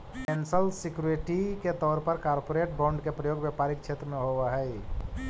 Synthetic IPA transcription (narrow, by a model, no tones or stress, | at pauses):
kɛ̃nsəlsɪkjuɾʈiket̪ɔːɾpəɾkaːɾpoɾeːʈ̚bãːɳɖkepɾəjoːɡbjəpaːɾikt͡ʃʰeːt̪ɾəmẽɦoʋaɦɛɪ